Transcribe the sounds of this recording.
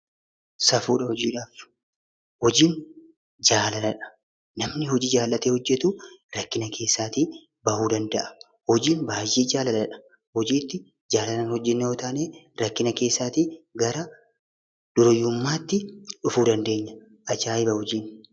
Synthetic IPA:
sɐfuːᶑɐhɔd͡ʒiːᶑaːf | hɔd͡ʒiːn | d͡ʒaːlɐnɐᶑɐ̥ | nɐmnɪhɔd͡ʒiːd͡ʒaːlːɐt̪eːhɔd͡ʒːɛt̪uːɾɐkːɪnɐkʰe̞ːsːaːt̪iː | bɐhuːd̪ɐnd̪ɐʔɐ̥ | hɔd͡ʒiːnbaːjːiːd͡ʒaːlɐlɐᶑɐ̥ | hɔd͡ʒiːt̪ːɪ | d͡ʒaːlɐnɐnhɔd͡ʒːɛnːɛoːt̪aːneː | ɾɐkːɪnɐke̞ːsːaːt̪iːɡɐɾɐ | d̪̥ʊɾɔjʊmːaːt̪ːɪᶑʊfuːd̪ɐnd̪e̞ːɲːɐ | ʔɐd͡ʒaːɪbɐhɔd͡ʒiːn

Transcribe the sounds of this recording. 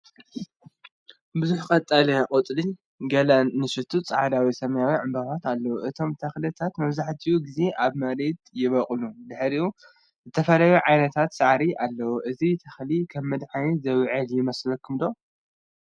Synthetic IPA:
bɨzuħkʼɐt̪ʼːalɐkʼot̪ʼlin | ɡɐlɐnːɨʃɨt̪ʰut͡sʼaʕad̪awisɐmɐjawiʕɨmbaβat̪alːɐwuʔɨt̪ʰo̞mt̪ʰɐxlɨt̪ʰat̪mɐβzaħt̪ʰiuɡize̞ʔaβmɐɾed̪jɪβɐχʼlud̪ɨħɾiʔu | zɨt̪ʰɐfɐlajuʕajnɐt̪ʰat̪saʕɾiʔalːɐwuʔɨzit̪ʰɐxlikʰɐmːɨd̪ħanizɐwʕɨljɪmɐslɐkʰːɨmd̪o

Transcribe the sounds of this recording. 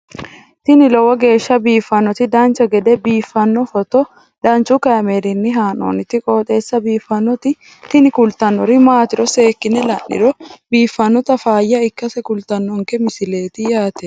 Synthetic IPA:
t̪ɪnɪlɔwɐɡe̞ːʃːɐbiːfːɐnːɔt̪ɪd̪ɐnt͡ʃːɐɡɛd̪ɛbiːfːɐnːɔfɔt̪ɔ | d̪ɐnt͡ʃːukɐjɐmeːɾɪnːɪɦaːno̰ːnɪt̪ːɪkʼoːt̪ʼe̞ːsːɐbiːfːɐnːɔt̪ɪ | t̪ɪnɪkʊlt̪ɐnːɔɾɪmaːt̪ɪɾɔse̞ːkːɪnɛlɐ̰nːɪ̰ɾɔbiːfːɐnːɔt̪ɐfaːjːɐɪkːɐsɛkʊlt̪ɐnːɔŋkɛmɪsɪle̞ːt̪ɪjaːt̪ɛ

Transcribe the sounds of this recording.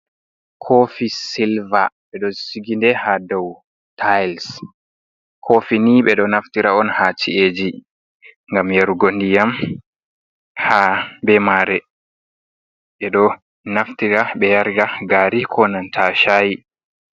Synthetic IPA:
kʰofisilvaɓɛɗɔsiɡindɛhadɔw | tʰajls | kʰofiniɓɛɗɔnaftiɾaɔnhat͡ʃieːd͡ʒi | ŋɡamjaɾuɡondijam | habɛmaːɾɛ | ɓɛɗɔ | naftiɾaɓɛjaɾɡaɡaːɾikʰɔnantʰaʃaji

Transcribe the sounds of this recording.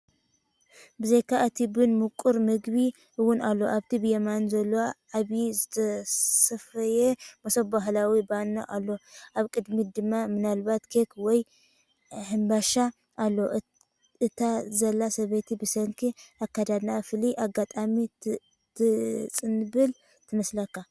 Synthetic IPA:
bɨzejkʰaɨt̪ʰibɨnmukʼuɾmɨɡbi | ɨwʊnalːoʔaβt̪ʰibɨjɐmanzɐlːowaʔaβjizɨt̪ʰɐsɐfɐjemɐsobaɦlawibanːa̰ʔalːo̞ʔaβkʼɨd̪mid̪ɨmːamɨnalbat̪kʰekwɔj | ħɨmbaʃa | ʔːlːo̞ʔ | ɨt̪ʰazɐlːasɐβet̪ʰibɨsɐŋkʰiʔakːad̪ad̪nafɨliʔaɡat̪ʼami | t̪ʰɨt͡sʼɨnbɨl | t̪ʰɨmɐslɐkːa

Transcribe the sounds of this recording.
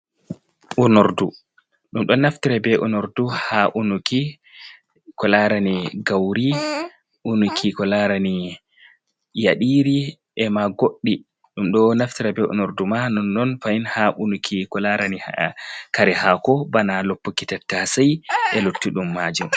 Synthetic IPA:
ʔunoɾdu | ɗumɗɔnaftiɾabɛʔunoɾduhaʔunuki | kɔlaɾaniɡawɾi | ʔunukʰikɔlaɾani | ja̰ɗiɾi | ʔɛmaɡoɗːi | ɗumɗɔnaftiɾabɛṵnoɾdumanɔnːɔnfainhaʔunukʰikɔlaɾani | kaɾɛhakɔbanalopːukitatːasajʔɛlotːiɗumːaːd͡ʒum

